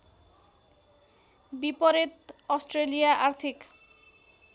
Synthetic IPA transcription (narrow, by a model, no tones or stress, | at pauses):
bipɔɾet̪ɔsʈɾelijaʔaɾt̪ʰik